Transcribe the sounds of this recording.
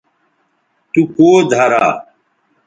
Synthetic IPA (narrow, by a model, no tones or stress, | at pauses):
t̪ukoːd̪ʱaɾaː